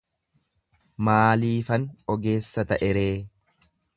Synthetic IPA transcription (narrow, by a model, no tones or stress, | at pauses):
maːliːfɐnɔɡe̞ːsːɐt̪ɐʔɛɾe̞ː